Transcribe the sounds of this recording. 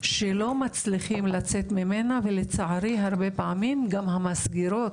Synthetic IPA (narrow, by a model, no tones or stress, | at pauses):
ʃelo̞mat͡sliχimlat͡se̞t̪mime̞navelet͡saʕaʁiɦaʁbe̞paʕamimɡamhamasɡiɾo̞t